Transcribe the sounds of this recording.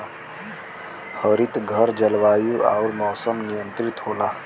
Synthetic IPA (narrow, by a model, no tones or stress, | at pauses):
həɾit̪ɡʱəɾd͡ʒəlʋaːjua̰uɾmɔːsəmnijə̃nt̪ɾit̪ɦolaː